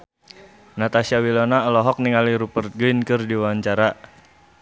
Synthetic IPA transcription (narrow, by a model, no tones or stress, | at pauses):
nat̪asiawilɔnalɔɦɔk̚niŋaliɾupərt̪̚ɡuinkɨrdiwaɲt͡ʃaɾa